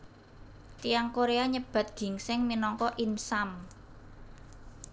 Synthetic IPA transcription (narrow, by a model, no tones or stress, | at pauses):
t̪iaŋkoɾeaɲəb̥a̤t̪̚ɡ̥i̤ŋsɪŋminɔŋkɔʔinsam